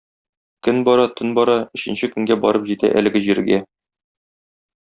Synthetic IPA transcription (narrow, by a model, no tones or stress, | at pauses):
kɵnbɒɾɑt̪ʰɵnbɒɾɑɵ̆ɕɘ̆nɕɘkɵ̆ŋɡæbɒ̰ɾɤpʑit̪æ̰ʔæ̰lɘ̆ɡɘʑiɾɡæ